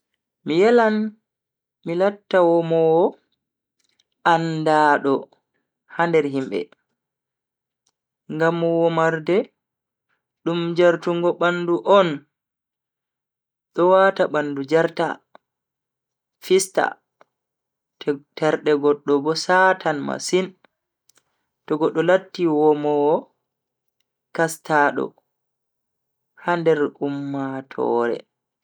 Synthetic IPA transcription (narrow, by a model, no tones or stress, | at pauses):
mijɛlan | milatːawɔmɔwɔ | andaːɗɔ | handɛɾɦimbɛ̰ | ŋɡamːɔwɔmaɾdɛ | ɗumd͡ʒaɾtuŋɡɔɓanduʔɔn | ɗɔwataɓandud͡ʒaɾta̰ | fista̰ | tɛɾɗɛɡɔɗːɔbɔsatʰanma̰sin | tɔɡɔɗːɔlatːiwɔmɔwɔ | kastaːɗɔ̰ | handɛɾumːatʰɔ̰ːɾɛ̰